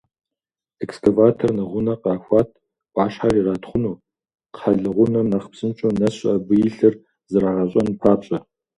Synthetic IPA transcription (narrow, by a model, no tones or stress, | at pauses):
ɛkskʰavaːtʰornɐʁʷʊnɐqɑːxʷɑːtʰ | b̥ʷʼɑːɕħariraːtʰχʷʊnuː | qħɐɮɨʁʷʊnɐnɐχpsɨnt͡ʃʼownɐɕʼɐbɨjɪɬɨr | zɨraːʁɐɕʼɐnɨpʰaːpɕʼɐ